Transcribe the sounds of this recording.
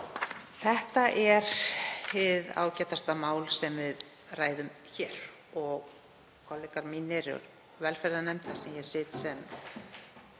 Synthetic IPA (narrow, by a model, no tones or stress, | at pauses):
θɛht̪aʔɛɾ | ɪða̰ːwcɛt̪ast̪amaːwlsɛmvɪð | raːjðʏmçɛːɾ̥ | ɔɣ | kʰɔlːɪkaɾminɛɾʏ̰ | vɛlfɛɾðanɛmt̪ḁsɛmjɛsɪːt̪sɛm